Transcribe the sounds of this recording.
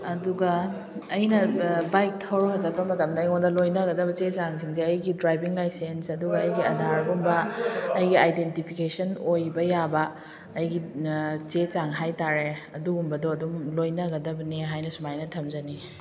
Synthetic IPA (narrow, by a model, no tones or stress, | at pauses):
ɐduɡɐː | jnɐbajk̚tʰɐwɾɐmɐzɐt̚pɐmɐtɐmdɐjŋondɐlojnɐɡɐdɐbɐt͡ʃet͡ʃaŋsiŋs̬eɐjɡidɾajbiŋlajsensɐduɡɐɐjɡiɐdʱaɾɡumbɐːjɡiajdentipʰikesɐnojbɐjabɐː | jɡit͡ʃet͡ʃaŋɦajtaɾeɐduumbɐdoɐdumlojnɐɡɐdɐbɐniɦajnɐsumajnɐtʰɐmzɐni